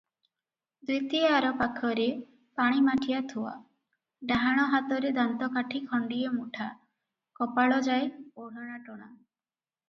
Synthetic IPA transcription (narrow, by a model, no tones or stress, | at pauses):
d̪it̪iaaɾɔpakʰɔɾe | paɽ̃imaʈʰijat̪ʰuwa̰ | ɖaɦaɽ̃ɔɦat̪ɔɾed̪ant̪ɔkaʈʰikʰɔɳɖiemuʈʰa | kɔpaɭɔd͡ʒajoɽɔɽ̃aʈɔɽ̃a